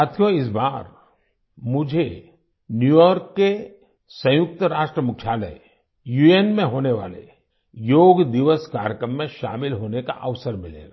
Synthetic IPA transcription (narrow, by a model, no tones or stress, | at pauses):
aːt̪ʰjoɪs̬baːɾ | mʊd͡ʒʱe | njujɔːɾkːe | sɐ̃jʊk̚t̪əɾaːʃʈɾəmʊkʰːjaːlə̰ | jueːnmẽɦoːneʋa̰ːlḛ | joːɡd̪ɪʋəskaːɾjəkɾəmːẽʃa̰ːmɪlɦoːneka̰ʔəʋsəɾmɪlḛːɡa